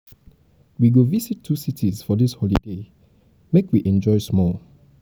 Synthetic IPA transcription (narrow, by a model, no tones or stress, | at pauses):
wiɡovisitʰːusitʰizfɔdishɔlide | mekwiʔɛ̃nd͡ʒɔɪsmɔl